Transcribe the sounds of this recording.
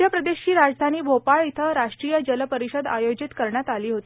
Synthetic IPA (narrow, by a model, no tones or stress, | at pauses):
jəpɾəd̪eɕiːɾad͡zd̪ʱaniːbʱopaɭit̪ʰəɾaʂʈɾiːjəd͡ʑələpəɾiɕəd̪a̰jod͡ʑit̪kəɾɳjat̪aliːɦot̪i